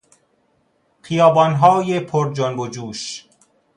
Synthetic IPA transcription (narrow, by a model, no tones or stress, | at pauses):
χijɒːbɒnɦɒːjepʰoɾd͡ʒonbod͡ʒuːʃ